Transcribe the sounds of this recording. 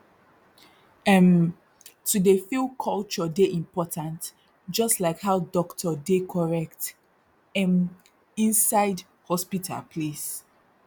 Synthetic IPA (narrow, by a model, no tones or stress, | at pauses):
ɛ̃m | tudefilkʰɔlt͡ʃɔdeʔĩmpɔtãnt | d͡ʒɔstlaɪkhaʊdɔktʰɔdekʰɔɹɛkt | ɛ̃m | ĩnsaɪd | hɔspitʰa̰lpʰles